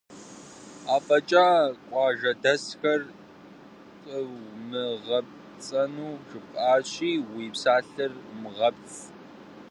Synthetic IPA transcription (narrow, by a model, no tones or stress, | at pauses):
aːpʼɐt͡ʃʼaːkʷʼɑːʒɐdɐsxɐr | qʼəwmɨʁɐp̚ | t͡sʼɐnuːʂɨpʼaːɕʼiːwiːpsaːɬɨrmʁɐpt͡s